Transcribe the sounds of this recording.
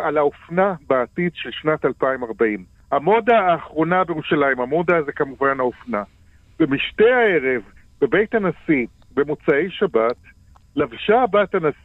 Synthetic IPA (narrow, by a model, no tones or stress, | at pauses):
alaofnabaːtidʃe̞lʃnatalpaimaʁbaim | hamo̞daːχʁo̞nabejeuʃalaimamo̞dazekamuvanaofna | b̥emiʃtejae̞ʁe̞v | be̞be̞jthanasi | bemut͡sae̞jʃabat | lavʃabatanas